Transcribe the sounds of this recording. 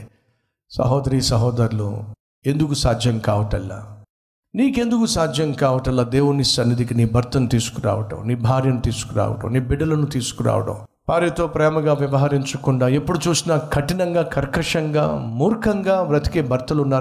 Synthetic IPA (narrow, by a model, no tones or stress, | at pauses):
sɐ̰ɦɔːd̪ɐɾiːsɐɦɔːd̪ɐɾlṵ | e̞nd̪ukusaːd͡ʒ̪ʱjɐŋkaːʋɐʈɐlːa̰ː | niːke̞nd̪ukusaːd͡ʒʱjɐŋkaːʋɐʈɐlːaːd̪eːwunisɐnːid̪ikiniːbʱɐɾt̪ɐnt̪iːsu̥kuɾa̰ːʋɐʈɐ̰mniːbʱaːɾjɐnut̪iːsu̥kuɾa̰ːʋɐ̰ʈɐ̰mniːbiɖːɐlɐnut̪iːsu̥kuɾa̰ːʋɐʈɐ̰m | paːɾjɐt̪o̞ːpɾɛːmɐɡaːʋjɐʋɐɦɐɾiɲt͡ʃukuɳɖaːe̞pːuɽut͡ʃuːsinɐkʰɐʈinɐŋɡaːkʰɐɾkɾɐʂɐŋɡa̰ːmuːɾkʰɐŋɡaːʋɾɐt̪i̥keːbʱɐɾt̪ɐlunːaː